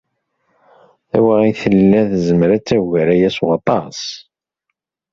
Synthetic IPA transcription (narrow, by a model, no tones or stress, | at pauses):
æ̰waʁiθəlːæθzəmɾæt͡sːæʝæɾæjæswɑt̪ˤɑs